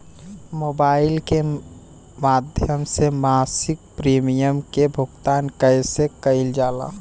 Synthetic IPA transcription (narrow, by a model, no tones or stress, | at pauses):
mobaɪlke | mad̪ʱjəmsemasɪk̚pɾimijəmkebʱʊɡt̪aːnkəɪsekəɪld͡ʒala̰